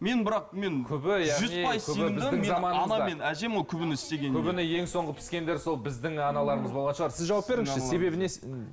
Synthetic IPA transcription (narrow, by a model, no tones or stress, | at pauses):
me̞nbɪɾɑq̚me̞nkʲʰʏbɪjæʒʏzpʰɑjzʲʰɵij̪ɪmɪzɪɪeɑmɑnɑnɑme̞næʒe̞mwokʲʰʏbɪnɪɪst̪e̞ɡʲenkʲʰʏbɪnɪje̞ŋso̞ɴʁəpʰɪ̥skʲe̞nd̪eɾso̞lˠbɪzd̪ɪŋɑnɑlˠɑɾəɴəzbo̞lˠʁɑt̪ʃəʁɑɾsɪzʒɑwɑp̚be̞ɾɪŋʃɪse̞βe̞bɪne